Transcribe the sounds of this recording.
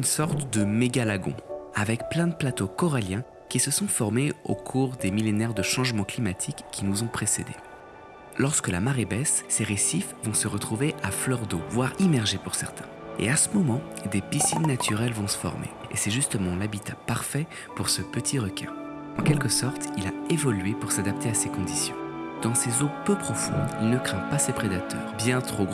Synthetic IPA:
ynsɔʁt̪d̪əmeɡalaɡɔ̰̃avɛkplɛ̃d̪əplat̪okɔʁaljɛ̃ | kʲisəsɔ̃fɔʁmeo̰kʰuʁd̪emilenɛʁd̪əʃɑ̃ʒmɑ̃klimat̪ʰikːinuzɔ̃pχesḛd̪ḛ | lɔʁskəlamaʁebɛsːeʁesifvɔ̃səʁət̪χuveʔaflœʁd̪ovwaʁimɛʁʒepuʁsɛʁt̪ʰɛ̥̃ḛasəmɔmɑ̃ | d̪episinːat̪ʰyʁɛlvɔ̃sə̥fɔ̰ʁmḛḛsɛʒyst̪əmɑ̃labit̪apaʁfɛ | puʁsəpət̪ʰiʁəkʲɛ̃ | ɑ̃kʲɛlkəsɔʁt̪ilaevɔlɥepuʁsad̪ap̚t̪easekɔ̃d̪isjɔ̃d̪ɑ̃sezopøpχɔfɔ̰̃d̪ilnəkχɛ̃pasepχed̪at̪ʰœ̰ːʁbjɛ̃t̪χoɡʁ

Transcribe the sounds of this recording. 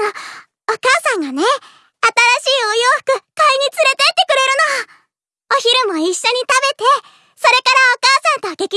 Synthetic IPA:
o | okaːsãŋɡane̞ | at̪aɾaɕiːojo̞ːɸɯ̥kɯ̟kaiɲ̟it͡sɨɾe̞t̪e̞it̪ːe̞kɯ̟ɾe̞ɾɯ̟noɡa | o̞çiɾɯ̟mo̞iɕːo̞ɲ̟it̪abe̞t̪e̞ | so̞ɾe̞kaɾaokaːsãnt̪oɡe̞kʲi

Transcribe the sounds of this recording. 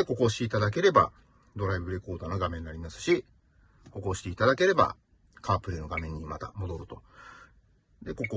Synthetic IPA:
eko̞ko̞ːɕi̥t̪e̞it̪ad̪ak̬e̞ɾe̞ba̰ | d̪o̞ɾaibɯ̟ɾe̞ko̞ːd̪ano̞ɡamẽ̞nːaɾʲimasɨ̥ɕi | ko̞ko̞ɕi̥t̪eit̪ad̪ake̞ɾe̞ba̰ | kʰaːpɯ̟ɾʲino̞ɡamẽ̞ɲ̟ːimat̪a̰mo̞d̪o̞ɾɯ̟t̪o̞ | d̪e̞ko̞ko

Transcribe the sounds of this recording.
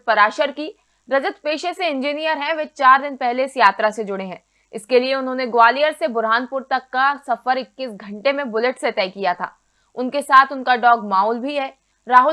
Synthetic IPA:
pɐɾaːʃəɾki | ɾɐd͡ʒət̪peːʃeseɪ̃nd͡ʒiːnijəɾɦɛ̃ʋet͡ʃaːɾd̪ɪnpɛɦlesjaːt̪ɾased͡ʒʊɽeɦɛ̃ː | ɪskelieʊnɦõːneɡʊaːlijəɾsebʊɾɦaːnpʊɾt̪ɐkːasɐfəɾɪkːisɡʱɐ̃ɳʈemẽbʊlɪʈset̪ɛːkijat̪ʰa̰ː | ʊnkesaːt̪ʰʊnkaɖɔːɡmaːʊlbʱiɦɛː | ɾaːɦʊ

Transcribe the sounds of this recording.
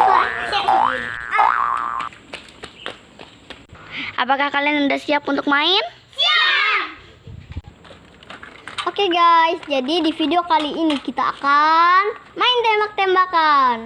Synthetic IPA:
ʔa̰pakahkalianəndasiapunt̪ʊk̚maɪn | okeɡajsd͡ʒadidifideokaliinikit̪aa̰kanmaɪnt̪ɛmbak̚t̪ɛmbakan

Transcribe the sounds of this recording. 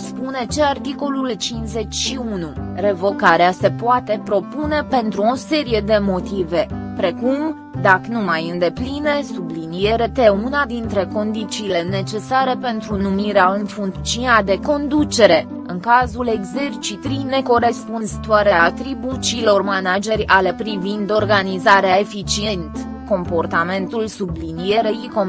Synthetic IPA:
spune̞t͡ʃeart̪iko̞lult͡ʃinze̞t͡ʃʲʃiunure̞vo̞kaɾease̞poat̪e̞pɾo̞pune̞pe̞nt̪ɾuo̞se̞ɾije̞d̪e̞mo̞t̪ive̞pɾe̞kum | d̪akənumajɨnd̪e̞plinesublinijeɾe̞t̪e̞unad̪int̪ɾe̞ko̞nd̪it͡ʃiːle̞ne̞t͡ʃe̞saɾe̞pe̞nt̪ɾunumiɾeaɨnfuŋkt̪siunad̪e̞ko̞nd̪ut͡ʃe̞ɾe̞ | ɨŋkazule̞ɡze̞rt͡ʃit̪ɾine̞ko̞ɾe̞spunzat̪oaɾeat̪ɾibut͡ʃiːlo̞rmanad͡ʒe̞rʲalepɾivind̪o̞rɡanizaɾeae̞fit͡ʃie̞nt̪ | ko̞mpo̞rt̪ame̞nt̪ulsublinije̞ɾeiko

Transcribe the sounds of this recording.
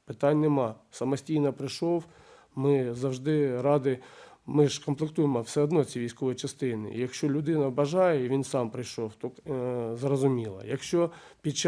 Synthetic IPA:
pɪt̪ɑnʲnemɑsɐmɐsʲtʲijnɐpɾɪʃɔw | mɪzɐwʒd̪ɪɾɑd̪ɪmɪʃkɔmplˠɪk̚t̪ujemɔwsɛɔd̪nɔt͡sʲiʋʲijsʲkɔʋɔjit͡ʃɐst̪ɪnɪ̰ḭjɐkʃt͡ʃɔlʲʊd̪ɪnɐbɐʒɑjɛiʋʲinsɑmpɾɪjʃɔwt̪ɔzrɔzʊmʲilˠɐ̰jɐkʃt͡ʃɔpʲid̪̚t͡ʃ

